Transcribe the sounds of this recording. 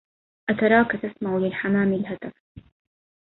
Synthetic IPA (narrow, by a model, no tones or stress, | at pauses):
ʔat̪ɑɾˤɑːkat̪asmaʕʊlɪlħamaːmɪlhad̪af